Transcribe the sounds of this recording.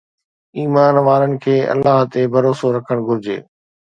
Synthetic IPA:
iːmaːnʋaːɾənɪ̆kʰeːʔɐ̰lːaːɦt̪ebʱɐɾoːsoɾɐkʰəɽ̃ɡʱʊɾɪd͡ʑḛː

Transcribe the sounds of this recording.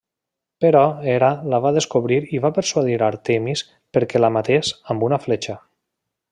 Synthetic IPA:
peɾɔeɾalaβaðeskoβɾiɾiβapəɾsuaðiɾaɾt̪emis | pəɾkɛlamat̪esambunaflet͡ʃa

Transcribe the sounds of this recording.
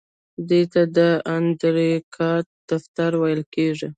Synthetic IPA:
d̪et̪ad̪əand̪ɾikʰɑt̪̚d̪̥aft̪aɾwajəlkeʐi

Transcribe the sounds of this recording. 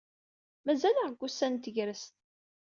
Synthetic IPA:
mæzælæʁɡʷːusːænt̪əʝɾəst̪

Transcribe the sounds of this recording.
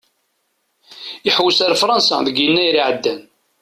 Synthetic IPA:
iħwəsəɾfɾˤɑnsɑ̰ðəɡinːæjɾiʕəd̪ːæn

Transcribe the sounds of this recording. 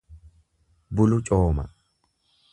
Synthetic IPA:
bʊlʊt͡ʃʼoːmɐ̰

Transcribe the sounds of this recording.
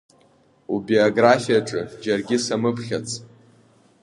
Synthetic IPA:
ubioɡrafijaʈ͡ʂʼɨd͡ʒarɡʲɪsamɨpʰχʲat͡sʰʼ

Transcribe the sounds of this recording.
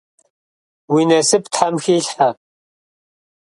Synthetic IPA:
winɐsɨptʰħamxiːɬħa

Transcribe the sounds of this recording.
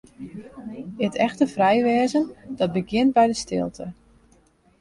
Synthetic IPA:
ɪtʰɛxtəfrɛjʋɛːzəndɔt̚bəɡɪnt̚bɛjdəstɪ̰lˠtʰə

